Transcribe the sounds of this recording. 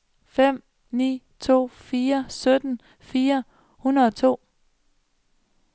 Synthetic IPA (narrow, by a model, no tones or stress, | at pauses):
fem̰ | nḭː | t͡sʰo̝̰ːfiːɐsød̥n̩ | fiːɐ | hunɐð̩ˠɒ̽t͡sʰo̝̰ː